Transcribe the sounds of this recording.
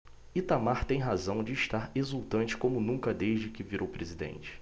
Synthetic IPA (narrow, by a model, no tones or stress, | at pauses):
it̪amaɾt̪ẽj̃ɦazɐ̃w̃d͡ʒɪːʃt̪aɾezuwt̪ɐ̃nt͡ʃɪ̥kõmʊnũŋkɐd̪eʒd͡ʒɪkɪviɾʔowpɾezid̪ḛ̃nt͡ʃɪ̥